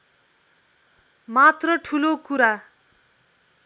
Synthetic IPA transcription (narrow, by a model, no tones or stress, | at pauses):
mat̪rʌʈʰulokuɾa